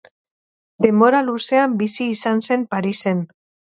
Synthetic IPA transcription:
d̪e̞moɾaluseambisiːsanse̞mpaɾise̞n

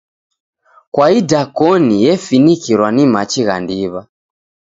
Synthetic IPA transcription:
kwaidakɔnijɛfinikiɾwanimat͡ʃiɣa̰ndiβa

